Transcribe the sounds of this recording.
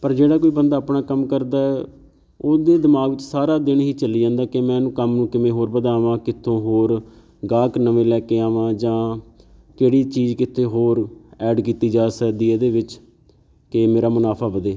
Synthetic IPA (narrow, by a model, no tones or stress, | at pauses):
pəɾd͡ʒeːɽaːkoːiːbənd̪aːpɳaːkəmkəɾd̪aːɛː | oːd̪eːd̪ɪmaːɡʋɪt͡ʃsaːɾaːd̪ɪɳɦiːt͡ʃəliːd͡ʒãːnd̪aːkɪmɛ̃ːnũːkəmnũːkɪmẽːɦoːɾbəd̪aːʋãːkɪt̪ʰːõːɦoːɾ | ɡaːknəʋẽːlɛːkeːaːʋãːd͡ʒãː | keːɽiːt͡ʃiːd͡ʒkɪt̪ʰːeːɦoːɾɛːɖkiːt̪iːd͡ʒaːsəd̪iːeːd̪eːʋɪt͡ʃ | kɪmeːɾaːmʊnaːpʰaːʋəd̪eː